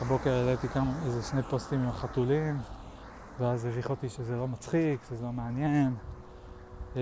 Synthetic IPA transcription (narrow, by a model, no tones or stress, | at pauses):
abo̞keʁelet̪ikamaezeʃne̞jpo̞st̪imimaχat̪ulim | veazeviχot̪iʃezelo̞mat͡sχikʃezelo̞meanje̞n